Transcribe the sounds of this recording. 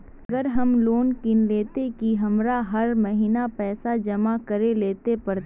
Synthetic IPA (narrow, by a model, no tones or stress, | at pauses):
ɡəɾɦɐmloːnkɪnleːt̪ekiɦɐmɾaɦɐɾmɐɦiːnapɛːsad͡ʒɐmakɐɾeleːt̪epɐɾt̪